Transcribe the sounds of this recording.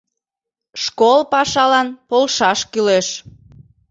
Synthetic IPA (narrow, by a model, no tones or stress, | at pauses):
ʃkolpɑʃɑlɑnpolʃɑʃkyleʃ